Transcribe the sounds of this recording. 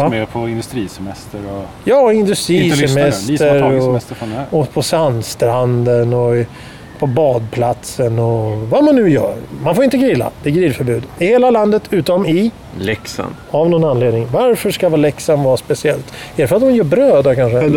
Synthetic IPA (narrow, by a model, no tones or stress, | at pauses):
meːpʰɔɪnd̪ɵst̪ɾiːsɛmɛst̪əɾɔjɑːɪnd̪ɵst̪ɾiːsɛmɛt̪əɾɔɛst̪əɔpʰɔsand̪st̪ɾand̪ənɔ | pʰɔbɑːd̪̚pʰlat̪sənɔvamanːʉ̟ːjœ̰ːɾmanfoːɾɪnt̪̬əɡɾɪlːa̰d̪̥ɛɡɾɪlfœɾbʉ̟ːd̪ɪheːlaland̪ət̪ʰʉ̟ːt̪ɔmɪ | lɛksa̰n | avnɔnanleːd̪nɪŋvaɾfœʂkavɑːlɛksanvɑːɾaspɛsɪɛlt̪æɖɛfœɾat̪̚d̪ɔnjœːbɾøːd̪akʰanʂə